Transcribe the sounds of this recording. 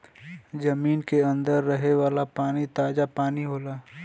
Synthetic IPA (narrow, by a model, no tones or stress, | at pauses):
d͡ʒɐmiːnkeɐ̃nd̪əɾːɐɦeʋaːlapaːnit̪aːd͡ʒapaːniɦoːlaː